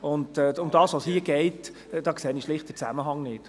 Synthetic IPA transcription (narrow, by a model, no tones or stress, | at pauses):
ʊndʊmdɑːsʋɔshiəɡ̥ɛɪt | d̥ɑːkseːniʃlɪχt̚d̥ət͡sæ̰məɦɑŋnɪt